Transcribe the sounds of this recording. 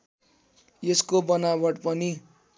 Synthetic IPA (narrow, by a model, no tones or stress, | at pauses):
eskobʌnabʌɽpʌni